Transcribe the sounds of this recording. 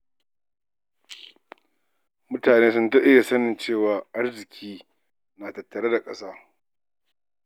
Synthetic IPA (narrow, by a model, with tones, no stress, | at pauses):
mʊ˦taː˨neː˦sʊ˦nta˦ʔɪ˦ja˨sɐ˦nɪ˨nt͡ʃeː˦˨waː˨ʔa˦rzɪ˨kʲʰiː˦ | naː˨tɐ˨tːɐ˨ɽeː˦da˨kʼɐ˦saː˦